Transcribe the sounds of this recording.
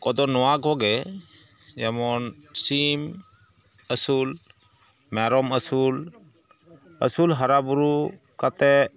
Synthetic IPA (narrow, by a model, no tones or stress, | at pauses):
kɔd̪ɔnɔwaɡɔɡɛ | jamɔnsim | əsul | mɛɾɔməsul | ə̰sulɦaɾabuɾu | kat̪ɛ